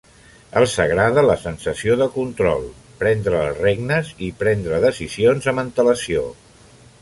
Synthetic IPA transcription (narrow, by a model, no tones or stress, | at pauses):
əlˠsəɣɾaðələsənsəsioðəkunt̪ɾɔ̰lˠ | pɾɛnd̪ɾəːlˠreɡnəzipɾɛnd̪ɾəðəsizionzəmənt̪ələsio̰